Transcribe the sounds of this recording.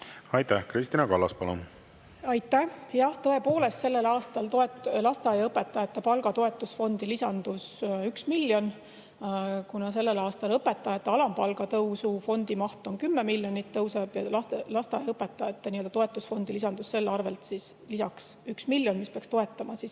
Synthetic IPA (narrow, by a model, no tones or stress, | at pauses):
ɑjt̪æhkɾist̪inɑkɑlːɑspɑlo̰n | ɑjt̪ːˑæjɑht̪ɤe̞po̞ːle̞st̪se̞lːe̞lɑːst̪ɑlt̪oetlɑst̪eɑjɤpːˑe̞t̪ːˑɑjɑt̪ːˑepɑlɡɑt̪o̞e̞t̪ːˑusfo̞nd̪̥ilisɑnd̪̥usyksmilːjo̞n | kunɑs̬e̞lːe̞lɑːst̪ɑlɤpːe̞t̪ːˑɑjɑt̪ːˑeɑlɑmpɑlɡ̥ɑt̪ɤwsufo̞nd̪̥imɑht̪o̞nkymːemilːjo̞nit̪ːɤwseb̥jɑlɑst̪lɑst̪eɑ̰jɑɤpːˑe̞t̪ːˑɑjɑt̪ːˑeniø̞ld̪ɑt̪o̞e̞t̪ːˑusfo̞nd̪ilisɑnd̪̥usse̞lːɑrve̞̰lt̪sislisɑksyksmilʲjo̞nmispeɑkst̪o̞e̞t̪ːˑɑmɑsis